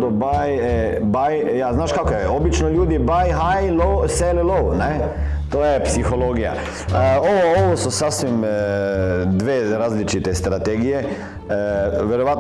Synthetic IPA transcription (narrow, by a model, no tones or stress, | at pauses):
d̪ɔbaj | baj | jaznaːʃkaːkojɛobit͡ʃnɔʎʲuːd̪ibajɦajlowselɛlownɛ | t̪oːjɛpsixoloːɡija̰ | əoʋɔoʋososasʋim | d̪ʋeːɾaːzlit͡ʃit̪ɛst̪ɾat̪eːɡijɛ | ʋɛɾoʋaːt̪